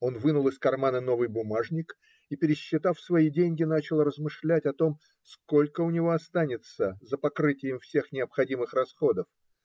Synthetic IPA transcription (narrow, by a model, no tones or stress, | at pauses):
o̞nvɨnʊlˠɨskɐrmanəno̞vɨjbʊmaʐnʲɪk | ipʲɪɾʲɪɕːɪt̪afsvɐidʲenʲɡʲɪnat͡ɕɪlˠrəzmɨʂlʲætʲɐt̪o̞m | sko̞lʲkəʊnʲɪvo̞ɐst̪anʲɪt̪səzəpɐkɾɨtʲɪjɪmfsʲe̞xnʲɪəpxɐdʲimɨxrɐsxo̞d̪əf